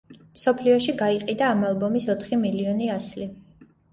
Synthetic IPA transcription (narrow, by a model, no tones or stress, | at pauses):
msɔpʰliɔʃiɡaiqʼid̪aːmalˠbɔmisɔt̪ʰχimiliɔniasli